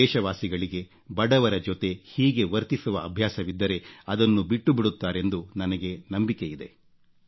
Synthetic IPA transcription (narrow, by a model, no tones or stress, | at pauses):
ɛːʃɐʋaːsiɡɐɭiɡe̞ | bɐɽɐʋɐɾɐd͡ʒot̪e̞hiːɡe̞ʋɐɾt̪isuʋɐɐbʱjaːsɐʋid̪ːɐɾe̞ɐd̪ɐnːubiʈːubiɽut̪ːaːɾe̞nd̪unɐnɐɡe̞nɐmbike̞jid̪e̞